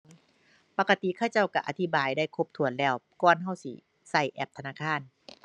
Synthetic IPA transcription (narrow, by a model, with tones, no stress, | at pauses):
pa˧ka˧t̪i˧˨kʰaː˧˩wt͡ɕa˥˩wka˧ʔa˧t̪ʰi˦˩baː˨˩jda˥˩jkʰo˧˥p̚t̪ʰu˨˦ənlɛː˧˥˩wkɔː˧˩nɦa˧˥˩wsi˧˩ | sa˧˩jʔɛ˧˩p̚t̪ʰa˧naː˧˥˨kʰaː˧˥˨n